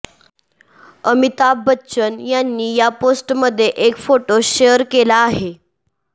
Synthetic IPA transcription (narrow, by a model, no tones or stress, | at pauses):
əmit̪abːətːɕənjanːiːjaposʈməd̪ʱːjeʔekfoʈoɕeəɾkelaːɦe